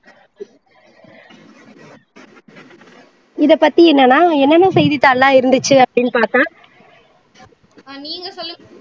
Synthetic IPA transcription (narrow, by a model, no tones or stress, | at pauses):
ɪðɐpɐt̪ːiɛnːɐnaːɛnːɐnɐ̃sɛjðɪt̪ːaːllãːɪɾɯnd̪ɯt͡ʃːɯɐpːɐɽɪnːpaːɾt̪ãː | niːŋɡɐsɔlː